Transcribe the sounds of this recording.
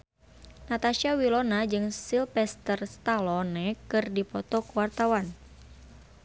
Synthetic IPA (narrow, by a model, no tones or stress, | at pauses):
nat̪aʃiawilɔnad͡ʒɨŋsilpɛst̪ərst̪alɔnɛkɨrdipɔt̪ɔkuwart̪awan